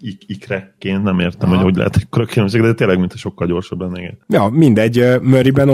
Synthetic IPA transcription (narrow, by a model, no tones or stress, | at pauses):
ikikrɛkːeːnnɛmeːrt̪ɛmhoɟɒhuɟlɛ̰ɦɛ̰t̪ɛkkːɾøkːilømʃ̬eːɡd̪dɛt̪eːlɛɡmint̪ɒʃo̞kːɒlɟo̞ːrʃɑblɛnːɛɡɛ̰jɒmind̪ɛɟːømøɾibɛn